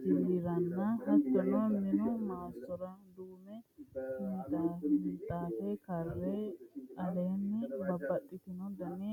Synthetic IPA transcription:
sɪliɾɐnːɐhɐt̪ːɔnoːmɪnʊmaːsɔɾɐd̪uːmɛhɪnt̪ʼaɪnt̪ʼːaːfɛkɐrːeɐleːnːɛbɐbːɐt̪ʼːɪt̪ɪnɔd̪ɐne

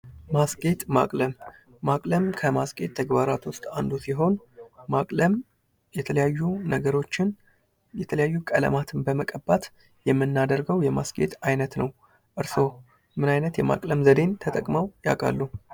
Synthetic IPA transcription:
masɡʼe̞t̪ʼma̰kʼləmː | akʼləmkʰəmaskʼe̞t̪ʰːəɡbaɾat̪wʊst̪ʼand̪usiɦo̞nmakʼləm | jɛt̪ʰələjajːunəɡəɾo̞t͡ʃːɪn | jɛt̪ʰələjajːukʼələ̰mat̪ʰɨnbəməkʼəbːat̪ | jɛmːɨnːad̪əɾɡəwjɛmasɡe̞̰t̪ʼajnət̪nəw | ʔɨɾso̞ | mɨnajnət̪jɛma̰kʼləmzəd̪e̞nt̪ʰət̪ʼəkʼməwja̰kʼa̰lːu

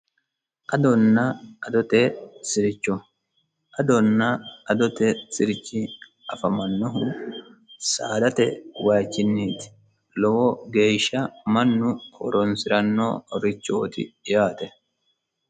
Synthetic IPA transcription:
ʔɐd̪ɔnːɐʔɐd̪ɔt̪esɪɾɪt͡ʃːɔ | ʔɐd̪ɔnːɐɐd̪ɔt̪ɛsɪɾɪt͡ʃːɪ | ɐfɐmɐnːɔɦʊ | saːd̪ɐt̪ɛwaːt͡ʃːɪnːiːt̪ɪ̥ | lɔwɔɡe̞ːʃːɐmɐnːʊho̰ɾɔnsɪɾɐnːo̰ːɾɪt͡ʃːo̰ːt̪ɪ̰jaːt̪ɛ

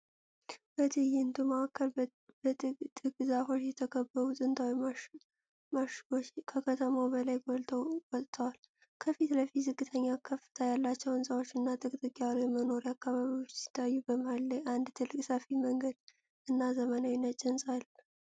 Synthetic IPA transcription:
bət̪ʰɨjɪɨnd̪umaakʰːəl | bət̪ʼɨkʼzaho̞t͡ʃːjɛt̪ʰəkʰəbːəɾut̪ʼɨnt̪ʰawi | maʃot͡ʃːkʰəkʰət̪ʰəmowbəlajɡɔlt̪ʰəwwɔt̪ʼt̪ʰəwal | kʰəfit̪ləfit̪zɨɡːɨt̪ʰəɲːakʰːəfːɨ̥t̪ʰajalːat͡ʃːɛwɨnsʼawot͡ʃːɨnːat̪ʼɨkʼt̪ʼɨkʼːjalujɛməno̞ɾjakːaβaβiwot͡ʃːsɪ̥t̪ʰːajːubəmalːəjand̪t̪ʰɨlːɨkʼsəfiməŋɡəd̪̥ | ɨnːazəmənawinət͡ʃʼɪnsʼal

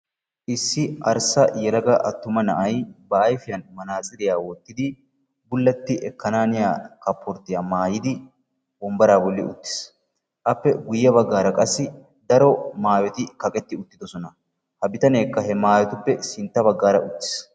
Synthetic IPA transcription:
ʔɪsːɪɐɾsɐjɛlɐɡɐʔɐt̪ːʊmɐnɐʔɐjbɐʔɐjfɪjɐnmɐnaːt͡sʼɪd̪ɪjaːwɔt̪ːɪd̪ɪ | bʊlːɐt̪ːɪʔɛkːɐnaːnɪja̰ːkɐpʰːɔɾt̪ːɪjaːmaːjɪd̪ɪ | bɔmbɐɾaːbɔlːɪʊ̰t̪ːɪ̥s | ʔɐpːɛɡʊjːɐβɐɡːaːɾɐkʼɐsːɪ | d̪ɐɾɔmaːjɔt̪ɪkɐkʼɛt̪ːɪʊt̪ːɪd̪ɔsɔnɐ | hɐbɪt̪ɐne̞ːkːɐɦɛmaːjɔt̪ʊpːɛsɪnt̪ːɐbɐɡːaːɾɐʔʊt̪ːɪ̥s

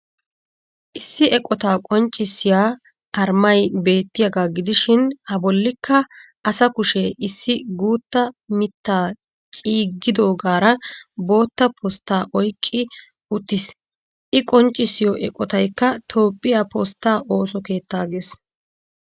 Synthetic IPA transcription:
ʔɪsːɪɛkʼːɔt̪aːkʼɔnt͡ʃʼːɪsɪjaː | ʔɐɾmɐjbe̞ːt̪ːɪjɐɡaːɡɪd̪ɪʃɪnhɐbɔlːɪkʰːɐ | ʔɐsɐkʊʃɛʔɪsːɪɡuːt̪ːɐmɪt̪ːaː | t͡ʃʼiːɡːɪd̪o̞ːɡaːɾɐbo̞ːt̪ːɐpʰɔst̪ːaːʔɔjkʼːɪ | ʊt̪ːɪs | ʔɪkʼɔnt͡ʃʼːɪsɪjɔʔɛkʼːɔt̪ɐjkːɐt̪ʰo̞ːpʼːɪjapɔst̪ːaːʔo̞ːsɔke̞ːt̪ːaːɡes

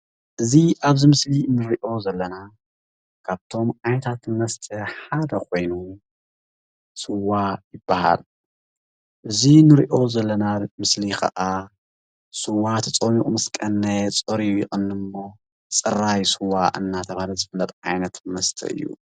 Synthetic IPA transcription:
ʔɨziʔaβzimɨslinɨɾiʔo̞zɐlːɐna | kʰaβt̪ʰo̞mʕajnɐt̪ʰat̪mɐst̪ʰɐħad̪ɐkʰo̞jnu | sɨwːajɪbːaha̰l | ʔɨzinɨɾiʔo̞zɐlːɐnamɨslikʰɐ̰ʔa | sɨwːat̪ʰɐt͡sʼomikʼmɐskʼɐnːɐt͡sʼoɾijɪxʼɨnːɨmbo̞ | t͡sʼɨrajsɨwaʔɨnːat̪ʰɐβahalɐzɨfɨlːɐt̪ʼʕajnɐt̪mɐst̪ʰɐ̰ɨ̰jːṵ

